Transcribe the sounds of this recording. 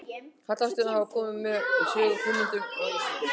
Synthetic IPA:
kʰat̪last̪ɪnahavakʰɔːmɪmɛsʏːfʏmɪnt̪ʏ

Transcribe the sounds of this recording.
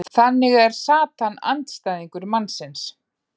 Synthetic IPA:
θanːɪɣɛɾ̥saːt̪ana̰nt̪st̪aːjðiŋkʏɾmanːsɪns

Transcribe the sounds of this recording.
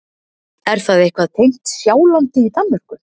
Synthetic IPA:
ɛɾ̥θaðehkvaðt̪ʰejŋ̥t̪sjaːwlant̪ɪit̪anmar̥kʏ

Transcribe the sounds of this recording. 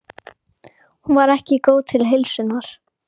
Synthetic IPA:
hunvaɾɛhcɪkoːwt̪ʰɪlɦejlsɪnaɾ̥

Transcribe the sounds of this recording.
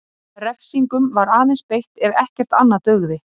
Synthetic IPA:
rɛfsiŋkʏmvaɾaːðɪnspejht̪ɛɾɛhcɛr̥t̪anːat̪œɣðɪ

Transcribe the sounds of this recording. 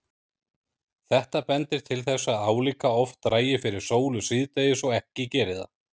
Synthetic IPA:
θɛht̪apɛnt̪ɪɾ̥t̪ʰɪlθɛsːaðaːwlikaɔft̪ːɾaːjɪfɪɾɪɾ̥soːwlʏsiːðt̪eːjɪsɔɣɛhcɪcɛːɾɪða̰

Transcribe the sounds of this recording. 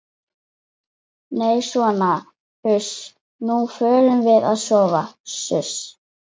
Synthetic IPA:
neːjsvɔːna | hʏs | nufœːɾʏmvɪðaðsɔːvasʏs

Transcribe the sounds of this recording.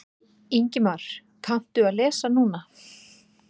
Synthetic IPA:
iɲcɪmaɾ̥ | kʰam̥t̪ʏaðlɛːsanuːna

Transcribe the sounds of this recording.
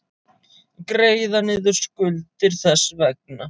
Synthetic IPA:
kɾeːjðanɪːðʏɾ̥skʏlt̪ɪɾ̥θɛsːvɛk̚na

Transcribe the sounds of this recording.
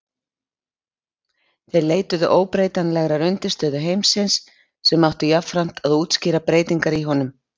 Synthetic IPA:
θejɾleːjt̪ʏðʏ̰ʔoːwpɾeːjt̪anlɛɣɾaɾʏnt̪ɪst̪œːðʏɦejmsɪnsː | ɛmːawht̪ʏjafɾam̥t̪ʰaðuːt̪scɪːɾapɾeːjt̪iŋkaɾiɦɔnʏm

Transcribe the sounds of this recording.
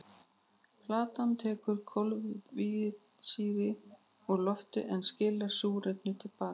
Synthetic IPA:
pʰlaːt̪ant̪ʰɛːkʏɾ̥kʰɔlvvi | siːɾɪ | ɔɣlɔft̪ʏ̰ʔɛnscɪlḁsuːɾep̪nʏt̪ʰɪlpaːkḁ

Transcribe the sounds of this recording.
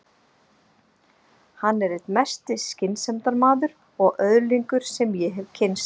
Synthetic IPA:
hanːɛɾɛt̪mɛst̪ɪscɪnsɛmt̪aɾmaːðʏɾ | ɔɣʔœðliŋkʏɾ̥sɛmjɛɦɛvcʰɪnst̪

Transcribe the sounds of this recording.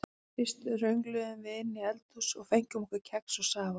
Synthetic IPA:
fɪst̪ʏrœɥŋklʏðʏmvɪðɪnːɪɛlt̪ʰusɔɣfejɲcʏmɔkvʏɾcʰɛksɔɣsaːva

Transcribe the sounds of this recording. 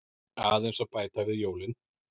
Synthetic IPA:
aːðejnsapaːjt̪avɪðjoːwlɪn

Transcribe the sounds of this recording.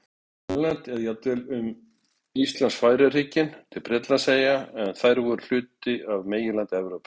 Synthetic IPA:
ɛlant̪ɛðjawt̪ːɪlʏm | ist̪lansfaːjɾɪr̥iːcɪnt̪ʰɪlpɾɛt̪laseːjaɛnθajɾvɔɾl̥ʏːt̪ɪavmeːjɪlant̪ɪɛvɾoːwpɪ̥

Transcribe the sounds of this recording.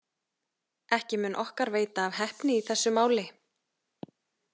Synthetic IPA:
ɛhcɪmʏːnʔɔhkaɾveːjt̪aːvɦɛhpnɪiθɛsːʏmaːwlɪ

